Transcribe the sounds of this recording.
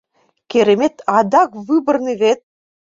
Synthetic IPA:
kʲeɾemet̪ɑd̪ɑkvɨbə̆rniβet̪̚

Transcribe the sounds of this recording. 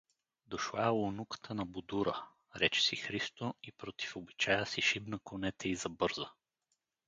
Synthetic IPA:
d̪oʃlˠalˠonukə̥t̪ʰənɐbʊd̪uɾə | ɾɛt͡ʃɛ̥sixɾist̪oipɾot̪i̥fobit͡ʃajəsiʃibnɐkonɛt̪ʰɛizɐbɤɾzə

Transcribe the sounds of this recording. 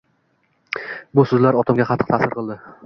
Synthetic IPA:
bʊsɵzlaɾɒt̪ʰamɡʲaχɑt̪ʰɨ̥qt̪ʰasɪɾqʰɨlˠd̪ɪ

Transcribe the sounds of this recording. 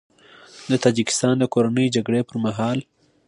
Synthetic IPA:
d̪ət̪ɑd͡ʒɪkɪ̥st̪ɑnd̪əkoɾanəjd͡ʒaɡɽepəɾmaɦɑl

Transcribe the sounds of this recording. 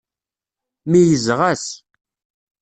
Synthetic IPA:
mijəzʁæs

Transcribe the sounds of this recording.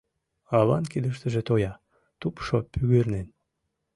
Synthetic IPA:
ɑβɑnkid̪əʃt̪əʒet̪ojɑ | t̪upʃopyɣørnen

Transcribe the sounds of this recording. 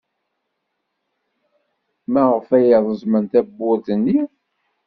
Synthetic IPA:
mæʁəfæjəðˤəzmənt̪æbːʊɾθənːi

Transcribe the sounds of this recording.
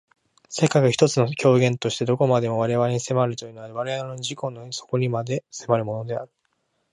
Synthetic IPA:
se̞kaiɡaçʲi̥t̪ot͡sɨno̞kʲo̞ːɡẽ̞nt̪o̞ɕi̥t̪e̞d̪o̞ko̞mad̪e̞mo̞β̞aɾe̞βaɾe̞ɲ̟ise̞maɾɯ̟t̪o̞jɯ̟noaɾiβaɾeanoɲʑiko̞noso̞̥koɲ̟ʲimad̪e̞se̞maɾɯ̟mo̞no̞d̪e̞aɾɯ̟

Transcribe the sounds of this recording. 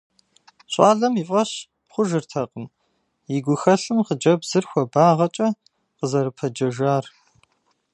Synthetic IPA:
ɕʼɑːɮɐmifʼɐɕ | χʷʊʒɨrtʰɐqəm | jiɡʷʊxɐɬɨmqəd͡ʒɐbzɨrxʷɔbaːʁɐt͡ʃʼɐ | qəzɐɾɨpʰɐd͡ʒɐʒaːr

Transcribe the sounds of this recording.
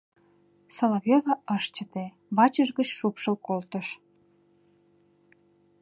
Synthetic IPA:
soloveβɑəʃt͡ɕə̆t̪e | βɑt͡ɕəʒɣət͡ɕʃupʃəlkolt̪əʃ

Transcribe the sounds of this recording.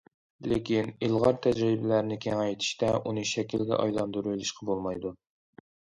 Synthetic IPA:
lɪkʲinilˠʁɑɾt̪ʰæd͡ʒɾibɪlæɾnɪkʲʰɛŋɛjt̪ʰi̥ʃt̪ɛʔunɨʃɛkʲʰilɡʲɛ̰ʔɑ̰jlˠɑnd̪uɾujlˠuʃqʰɑbolˠmɑjd̪u

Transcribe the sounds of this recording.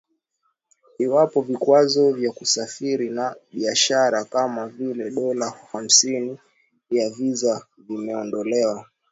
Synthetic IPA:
iwapɔvikwazɔvjakusafiɾinaɓiaʃaɾakamavilɛɗɔlaham̩sini | javiza | vimɛɔndɔlɛwa

